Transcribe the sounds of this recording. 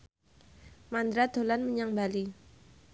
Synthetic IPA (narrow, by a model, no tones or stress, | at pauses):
mand̪ɾad̪̥o̤lanməɲaŋbali